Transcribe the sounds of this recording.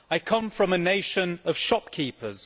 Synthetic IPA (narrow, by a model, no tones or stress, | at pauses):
aɪkʰʌ̃ɱfɹə̃məneɪʃə̃nəv̥ʃɒp̚kʰiˑpʰəz̥